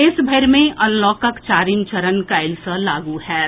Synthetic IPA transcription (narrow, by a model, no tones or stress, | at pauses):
ɪsbʱəɾmẽʔɐ̃nlɔːkəkt͡ʃaːɾimt͡ʃɐɾənkaːɪlsəlaːɡuɦɛː